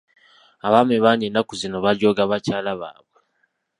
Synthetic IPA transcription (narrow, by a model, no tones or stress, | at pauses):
aβaːmeβaɲenːakuzino̞βaɾjo̞ːɡaβacaːlaβa̰ːβwe